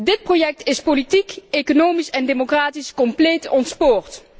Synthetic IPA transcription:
dɪt̚projɛk̚tɪspolitikekonowmisɛndemokraːtiskɔmpleːtɔntspoːrt

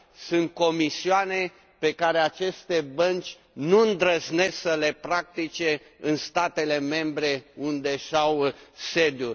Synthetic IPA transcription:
sunt̪̚ko̞misiane̞ | pe̞kaɾe̞at͡ʃe̞st̪e̞bənt͡ʃʲ | nuɨnd̪ɾəzne̞səle̞pɾak̚t̪it͡ʃe̞ | ɨnst̪at̪e̞le̞me̞mbɾe̞und̪e̞ʃawse̞d̪jur

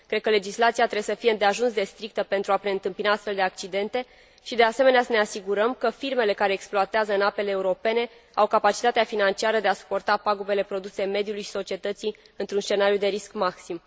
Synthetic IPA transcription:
kɾe̞d̪̚kəle̞d͡ʒislat̪siat̪ɾejesəfijeɨnd̪eaʒunsd̪e̞st̪ɾik̚t̪əpe̞nt̪ɾuapɾe̞ɨnt̪ɨmpinaast̪fe̞ld̪e̞ak̚t͡ʃid̪e̞nt̪e̞ | ʃid̪e̞aseme̞neasəne̞asiɡuɾəmkəfirme̞le̞kaɾe̞ːksploat̪eazəɨnape̞leːuɾo̞pe̞ne̞ | awkapat͡ʃit̪at̪eafinant͡ʃiaɾəd̪e̞asu̥po̞rt̪apaɡube̞le̞pɾo̞d̪useme̞d̪julujʃi̥so̞t͡ʃie̞t̪ət̪si | ɨnt̪ɾunsʃt͡ʃe̞naɾijud̪e̞ɾiskmaksim

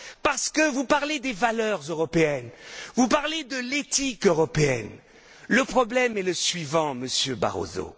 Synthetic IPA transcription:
paʁsə̥kəvupaʁled̪evalœʁzøʁɔpeɛnvupaʁled̪əlet̪ikøʁɔpeɛ̰n | ləpχɔblɛmɛləsɥivɑ̃məsjøba̰ʁo̰zo̰

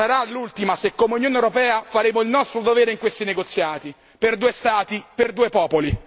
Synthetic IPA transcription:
saɾalult̪imasekːomeunjoːnewɾopɛːafaɾeːmoilnɔst̪ɾod̪ovɛːɾeiŋkwest̪ineɡot̪sːjaːt̪i | perd̪uːest̪aːt̪iperd̪uːepɔːpoli

